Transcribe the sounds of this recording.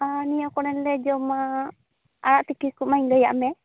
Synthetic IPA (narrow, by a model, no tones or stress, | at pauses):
anijakɔnɛnlɛd͡ʒɔmaː | ɽaʔt̪ikikumajɲdəja̰ʔmɛ